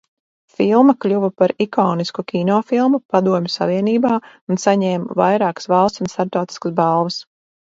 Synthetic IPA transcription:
filˠmɐklʲuvɐpaɾikɔːniskukʲinɔːfilˠmupad̪uɔmʲusaviɛniːbaː | unsaɲɛːmvajɾɑːkə̥svalˠst̪unst̪aɾt̪ɔwt̪i̥skəsbɑlˠvɐs

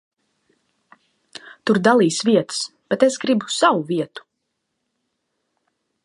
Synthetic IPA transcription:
t̪uɾd̪alˠiːsviɛt̪ɨ̥sb̥ɛt̪esɡɾibu̥sawuviɛt̪u̥

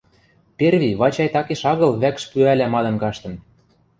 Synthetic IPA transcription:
perβʲiβɑt͡ɕɑjt̪ɑkeʃɑɣɤ̆lβækʃpyælæmɑd̪ɤ̆nkɑʃt̪ɤ̆n

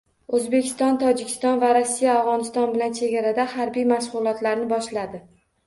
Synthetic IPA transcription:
ɵzbekʲʰɪst̪ɒnt̪ʰɒd͡ʒɪkʲʰɪ̥st̪ɒnvaɾosːijaːvʁɒnɪst̪ɒnbɪlant͡ʃʰe̞ɡʲaɾad̪ahaɾbijmaʃʁʊlˠɒt̪laɾnɪbɒʃlad̪ɪ

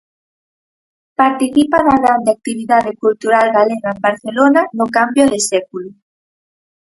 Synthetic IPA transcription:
paɾt̪iθipaðaɣɾand̪eak̚t̪iβ̞iðaðekult̪uɾalɣaleɣaembaɾθelonanokambjoðesɛkulo

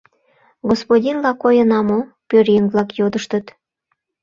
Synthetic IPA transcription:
ɡospodʲinlɑkojənɑmo | pøɾjeŋβlɑkjod̪əʃt̪ət̪

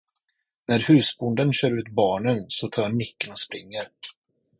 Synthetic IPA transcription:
næɾhʉ̟ːsbʊnd̪ənɕœːɾʉ̟ːt̪bɑːɳənsɔt̪ʰɑːɾnːɪkːənɔspɾɪŋːəɾ

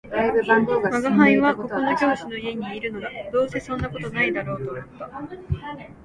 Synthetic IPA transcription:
maɡaɦãĩβako̞onokʲo̞ːɕino̞ie̞ɲ̟iːɾɯ̟no̞d̪ad̪o̞ːse̞sõ̞nːako̞t̪o̞naid̪aɾo̞ːt̪o̞jit̪o

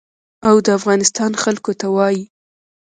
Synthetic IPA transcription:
awd̪əafɣɑnɪst̪ɑnxalkot̪awɑji

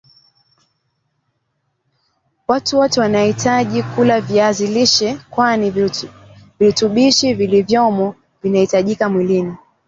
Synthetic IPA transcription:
watuwɔtɛwanahitaʄikulavjaziliʃɛkwani | vituɓiʃivilivjɔmɔ | vinahitaʄikamwilini

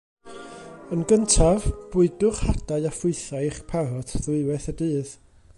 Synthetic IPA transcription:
ənɡəntʰavb̥ʊɨdʊχhad̥aɨafʊɨθaχpʰaɾɔtʰðɪwɛθədɨːð

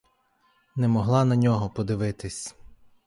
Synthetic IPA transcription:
nɛmɔɦlˠɑnɐnʲɔɦɔpɔd̪ɪʋɪt̪ɪsʲ

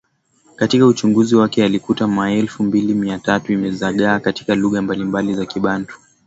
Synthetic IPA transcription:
katikaut͡ʃuŋɡuziwakɛalikutamaɛlfumbilimiatatuimɛzaɠaːkati̥kaluɣambalimbalizakiɓantu̥

